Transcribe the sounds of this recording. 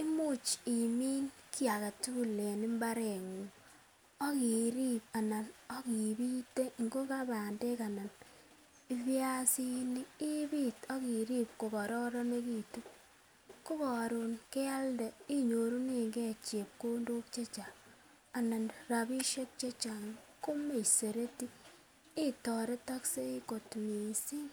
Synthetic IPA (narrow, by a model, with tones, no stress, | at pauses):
i˦mu˦˨t͡ʃi˨miː˦nki˦a˨ka˨tu˦u˦le˨ni˦mba˦ɾe˨ŋu˨ | ɔ˦ki˨ɾi˦p̚a˨na˨nɔ˦ki˨bi˦te˦ŋɡo˦ka˦ba˨nde˦ka˨na˨n | i˦βja˦si˦ni˦i˦bi˦˨tɔ˦ki˨ɾi˦p̚ko˨bɔ˨ɾɔ˦ɾɔ˦ne˦ki˨tu˦ | ku˦bɔ˨ɾu˨nke˦a˦ldɛ˨i˦ɲo˨ɾu˦ne˨ŋɡe˦t͡ʃe˨p̚ko˦ndo˦k̚t͡ʃe˦t͡ʃa˨ | a˨na˨nra˨bi˦ʃe˦k̚t͡ʃe˦t͡ʃa˨ŋko˦me˨se˨ɾe˦tiː˦ | tɔ˨ɾe˦ta˦kse˦i˦ko˨tmi˨si˦